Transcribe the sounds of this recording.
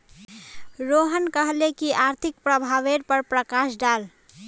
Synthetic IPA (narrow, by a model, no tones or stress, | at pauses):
ɾoɦənkəɦlekiʔaɾt̪ʰik̚pɾəbʱaʋeɾpəɾpɾəkasɖal